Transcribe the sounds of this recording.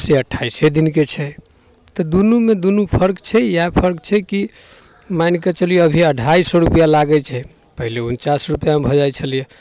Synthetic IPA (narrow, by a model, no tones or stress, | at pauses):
seəʈʰːaised̪inket͡ʃʰɛ | t̪ɔd̪unumed̪unupʰəɾkt͡ʃʰɛjapʰəɾkt͡ʃʰɛki | manket͡ʃəlijeəbʱiəɖʱaisɔɾupjalaɡɛt͡ʃʰɛ | pəɦileunt͡ʃasɾupjamebʱɔd͡ʒajt͡ʃʰəlije